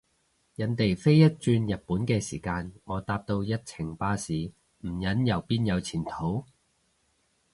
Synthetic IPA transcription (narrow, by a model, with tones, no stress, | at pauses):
jɐ˨˧nt̪e˨˩jfe˥jːɐ˥t̚t͡ʃyː˧njɐ˨t̚puː˨˥nkɛː˧siː˨˩kaː˧nŋɔː˨˧t̪aː˧p̚t̪o˧wjɐ˥t̚t͡sʰɪ˨˩ŋpaː˥siː˨˧ | m̩˨˩jɐ˨˥njɐ˨˩wpiː˥njɐ˨˧wt͡sʰiː˨˩nt̪ʰo˨˥w